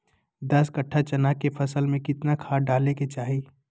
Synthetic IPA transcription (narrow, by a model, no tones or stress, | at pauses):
d̪ɐskəʈʰːat͡ʃɐnakepʰɐsəlmẽkɪt̪nakʰaːɖaːleket͡ʃaːɦi